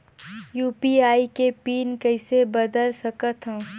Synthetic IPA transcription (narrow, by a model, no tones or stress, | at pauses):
juːpiaːikepiːnkɐɪsebɐd̪əlsɐkət̪ɦɛ̃ː